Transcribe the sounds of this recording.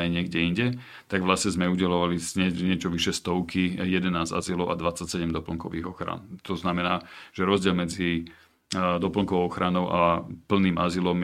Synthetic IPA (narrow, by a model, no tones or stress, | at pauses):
ajɲɪɛɡɟɛiɲɟɛ | t̪aɡʋlasɲɛzmɛuɟɛlɔʋaliɲɛɲɪɛt͡ʃɔʋiʃɛst̪ɔʊkijɛd̪ɛnaːza̰zilɔʊa̰d̪ʋat͡sːacsɛɟɛmd̪ɔpl̩ŋkɔʋiːɣɔxɾa̰nt̪ɔznamɛnaːʒ̥ɛɾɔzɟɪɛlmɛd͡zi | d̪ɔpl̩ŋkɔʋɔʊɔxɾanɔʊʔapl̩niːmazilɔm